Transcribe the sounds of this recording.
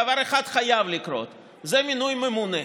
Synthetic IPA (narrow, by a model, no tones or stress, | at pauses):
ɐvaɾeχat̪χajavlikɾo̞̰t̪ | zɛmʲinujmemunɛ